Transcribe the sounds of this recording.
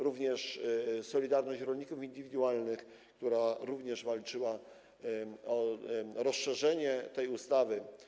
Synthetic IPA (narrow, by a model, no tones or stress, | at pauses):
ɾuvɲɛʂsɔlʲid̪aɾnɔɕt͡ɕɾɔlɲikufind̪ɘvʲid̪uwalnɘx | kt̪uɾaɾuvɲɛʐvalt͡ʂɘwa | ɔɾɔsʂɛʐɛɲɛt̪ɛjust̪avɘ